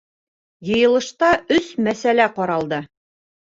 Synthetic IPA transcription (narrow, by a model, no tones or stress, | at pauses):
jɤ̆jɤ̆lˠɤ̆ʃt̪ɑɵsmæsælæqɒɾɑlˠd̪ɤ